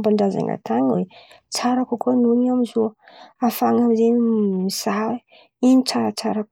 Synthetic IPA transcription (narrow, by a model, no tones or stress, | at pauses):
mbaɳɖ͡ʐaza̰ŋa̰t̪aŋwet͡saɾakukuanuniamizoafaŋamizeɲiisaɦ | iɲit͡saɾat͡saɾak